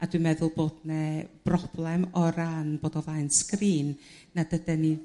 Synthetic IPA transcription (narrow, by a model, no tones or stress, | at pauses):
ad̥wɨmɛðʊlˠboːdnɛb̥rɔb̥lˠɛmɔɾanboːdɔvlˠajnskriːnː | adədɛni